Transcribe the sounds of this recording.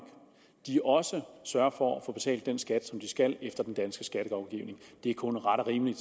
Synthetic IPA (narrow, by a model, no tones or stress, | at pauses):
ɡ̥ | d̥iʔɒ̽səsɶɐfɒ̽æfo̽b̥e̝t͡sʰɛ̰ːld̥ːensɡ̥æd̥sɒ̽md̥isɡ̥æl̰efd̥ɐd̥end̥ænsɡ̥əsɡ̥æɾ̥əɡɑ̈ʊɡ̥ḭʊne̝ŋd̥e̝æɐkʰɔ̽nʁɑ̈ɾɒʁiːməlid̥